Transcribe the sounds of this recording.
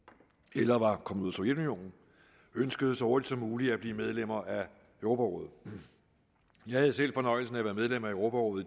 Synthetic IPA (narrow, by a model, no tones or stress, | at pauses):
elɐʋɑ̈kʰɒ̽məðˠuð̰ˠɐso̽jed̥unio̝̰ːnn̩ | ønsɡ̥əð̞ˠəsɒhoɐd̥id̥sɒ̽muːliæb̥liːmeð̞ˠlem̰ɐʔæ | øʊʁo̝ːpʰæʁɔ̽ð̰ˠ | jɑ̈ɪhæð̞̩ˠsel̰fɒ̽nɒ̽ɪl̩sn̩æʋæːɐmeð̞ˠlem̰æøʊʁo̝ːpʰæʁɔ̽ðˠ